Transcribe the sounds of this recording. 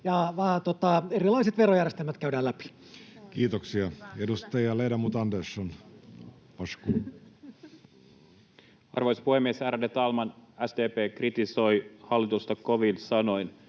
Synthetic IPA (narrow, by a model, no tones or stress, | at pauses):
jɑʋɑːt̪ot̪ɑerilɑiset̪ʋerojærjest̪elmæt̪kæydæːlæpi̥ | kiːt̪oksiɑedust̪ɑjɑleidɑmut̪ɑndeson | ɑskuː | ɑ̰rʋojspuhemːiesæːɾædet̪ɑlmɑnæsd̪eːpeːkrit̪iso̞jhɑlːit̪ust̪ɑkoʋilsɑnojn